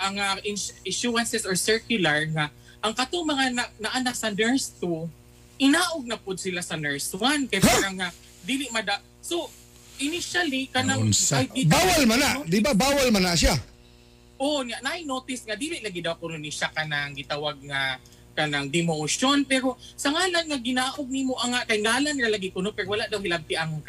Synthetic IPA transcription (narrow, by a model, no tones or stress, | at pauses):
ʔɐŋaʔɪnɪʃuɾansɛsoɹsɛɹkjʊlaɹŋa | ʔɐŋkɐt̪oŋmɐŋananɐʔanasɐnɛɹst̪u | ʔɪnaːʔoɡ̚nɐpʊd̪̚sɪlasɐnɛɹswanpɛɾopaɾaŋːa | d̪iːlɪʔmɐd̪a | so̞ | ʔɪnɪʃalikanaajɪbaːwalmanad̪ɪbabaːwalmanaʃ̬a | ʔoɲaʔnaʔajnoːt̪ɪsŋad̪iːlɪʔlaɡɪd̪awkʊnʊnɪʃakanaŋɡɪt̪awaɡ̚ŋa | kanaŋd̪ɪmoʃonpɛɾo̞sɐŋaːlanŋaɡɪnaːʔoɡ̚nɪmoʔaŋaʔkajŋaːlanːɪlalaɡɪkʊnopɛɾowalaʔd̪awhɪlab̚t̪ɪʔaŋka